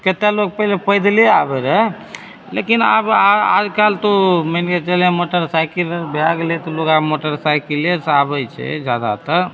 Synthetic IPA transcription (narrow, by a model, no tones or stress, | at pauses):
ket̪alok̚pɛlepəjd̪leabɛɾɛ | lḛkina̰baa̰d͡ʒkalt̪oməinket͡ʃəlɛ̃moʈəɾsajkiləɾbjaɡlet̪ɔlokamoʈəɾsajkiləɾsabət͡ʃʰɛ̰d͡ʒjad̪a̰t̪ə